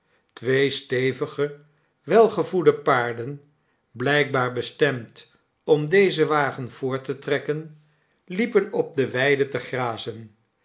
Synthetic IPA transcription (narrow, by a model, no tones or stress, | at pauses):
tʋejstejvəχə | ʋɛlˠχəvudəpaːɹdən | blɛjk̚baːɹbəstɛmt | ɔmdejzəʋaːχənv̥ʊːɹtətrɛkən | lipənɔp̚dəʋɛjdətəχraːzən